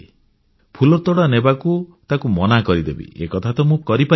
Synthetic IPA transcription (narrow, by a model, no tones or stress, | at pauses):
pʰulɔt̪ɔɽanebakut̪akumɔnakɔɾid̪ḛbḭḛkɔt̪ʰat̪ɔmũkɔɾipa